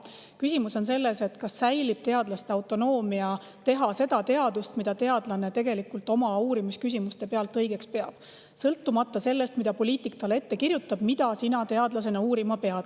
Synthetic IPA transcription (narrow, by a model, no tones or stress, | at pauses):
kysʲimuso̞nse̞lːe̞se̞t̪kɑsːæjlib̥̚t̪e̞ɑd̪̥lɑst̪eɑwt̪ˑo̞no̞ːmiɑ | t̪e̞ɦɑse̞d̪ɑt̪e̞ɑd̪̥ust̪mid̪̥ɑt̪e̞ɑd̪̥lɑne̞t̪e̞ɡ̥e̞likːˑult̪ˑo̞mɑuːɾimiskys̬ʲimust̪e̞pe̞ɑlt̪ːˑɤjɡ̥e̞kspe̞ɑ̰b̥ | sɤlt̪ˑːumɑt̪ːˑɑse̞lːe̞st̪mid̪ɑpo̞lʲiːt̪ˑikːɑle̞t̪ːe̞kirjut̪ːˑɑb̥mid̪ɑsinɑt̪e̞ɑd̪lɑse̞nɑuːɾimɑpe̞ɑd̪